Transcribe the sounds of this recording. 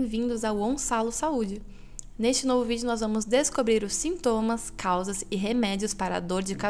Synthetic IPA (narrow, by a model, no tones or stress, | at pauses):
j̃vĩnd̪ʊzɐwɐ̃w̃salʊsaud͡ʒɪ | nest͡ʃɪnovʊvid͡ʒʊnɔzvɐ̃mʊzd̪eskobɾiɾʊsĩnt̪õmɐskʰawzɐzɪɦemɛd͡ʒiʊspaɾɐɐ̰d̪oɾd͡ʒɪka